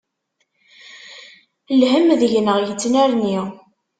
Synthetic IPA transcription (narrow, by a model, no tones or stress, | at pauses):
lhəmðəʝnəʁjət͡sːnæɾniʁ